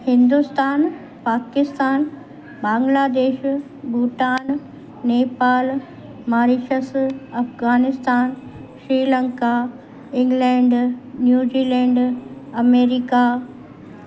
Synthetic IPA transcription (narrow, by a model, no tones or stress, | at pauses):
hɪ̃nd̪ust̪aːn | paːkɪst̪aːn | baːŋɡlaːd̪eːʃ | buːʈaːnː | eːpaːl | maːɾiʃəsɐfɣaːnɪst̪aːnʃɾiːlə̃ŋka | ɪ̃ŋɡlɛ̃ːɳɖnjuːd͡ʑiːlɛ̃ːɳɖɐmeːɾika